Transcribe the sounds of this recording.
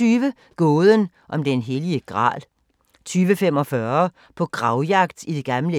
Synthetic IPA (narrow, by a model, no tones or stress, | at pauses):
yːʋə | ɡ̥ɔːð̞ˠən | ʔɒ̽md̥enɦeliəɡ̥ʁɑ̰̈ːlˠ | t͡sʰyːʋəfem̰ɒ̽fɶɐ | pʰɒ̽ɡ̥ʁɑ̈ʊjɑ̈ɡ̥d̥id̥e̝ɡ̥ɑ̈mlə